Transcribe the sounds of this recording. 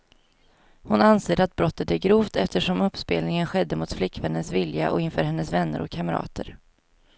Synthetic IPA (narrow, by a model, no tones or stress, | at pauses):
hʊnanseːd̪at̪̚bɾɔt̪ːət̪æɡɾuːft̪ɛft̪əʂɔmɵpːspḛːlnɪŋənɧɛd̪ːəmʊt̪flɪkːvɛnːənsvɪlja̰ʔɔɪnfœːɾɦɛnːəsvɛnːə̰ɾʔɔkʰːaməɾɑ̰ːt̪ʰəɾ